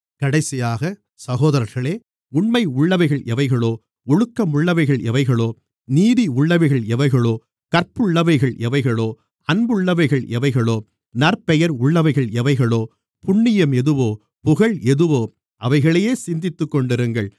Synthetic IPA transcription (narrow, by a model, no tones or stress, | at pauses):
kɐɽɐɪsɪjaːɣɐ | sɐɣoːðɐɾɐɾɣɐɭeː | ʊɳmɐɪʊɭːɐʋɐɪɣɐɭʔɛʋɐɪɣɐɭoː | ɔɻɯkːɐmʊɭːɐʋɐɪɣɐɭʔɛʋɐɪɣɐɭoː | niːðiʊɭːɐʋɐɪɣɐɭɛʋɐɪɣɐɭoː | kɐɾpːɯɭːɐʋɐɪɣɐɭɛʋɐɪɣɐɭoː | ɐnbɯɭːɐʋɐɪɣɐɭɛʋɐɪɣɐɭoː | nɐrpɛjɐɾʊɭːɐʋɐɪɣɐɭɛʋɐɪɣɐɭoː | pʊɳːɪjɐmɛðɯʋoː | pʊɣɐɭɛðɯʋoː | ʔɐʋɐɪɣɐɭɐjeːsɪnd̪ɪt̪ːɯkːɔɳɖɪɾɯŋɡɐɭ